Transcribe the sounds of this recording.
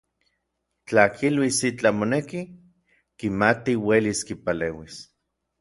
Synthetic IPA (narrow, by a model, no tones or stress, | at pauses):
t͡ɬakʰilwisit͡ɬamoneki | kimat̪iweliskipaleːwis